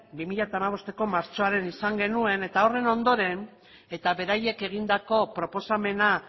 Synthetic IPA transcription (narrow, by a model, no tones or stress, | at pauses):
bimiʎat̪amaβ̞o̞st̪e̞ko̞maɾt͡ʃo̞aɾe̞nisaŋɡe̞nue̞ne̞t̪ao̞re̞no̞nd̪o̞ɾe̞n | e̞t̪aβe̞ɾaje̞ke̞ɣ̞ind̪ako̞pɾo̞po̞same̞na